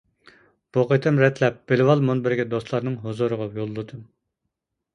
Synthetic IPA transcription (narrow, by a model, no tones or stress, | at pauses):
b̥oqət̪ʰɨmɾɛt̪ʰlɛp̚b̥ɪlwɑlˠmunbɪɾɡʲɛd̪oslˠɑɾnɨŋɦozuɾəʁɑjolˠːut̪ʰɨm